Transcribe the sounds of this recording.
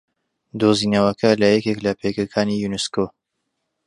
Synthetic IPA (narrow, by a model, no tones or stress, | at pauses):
d̪oːzinɐwɐkʰɐlɐjɛkʲeklɐpʰekɐkʰaːnijunɪskoː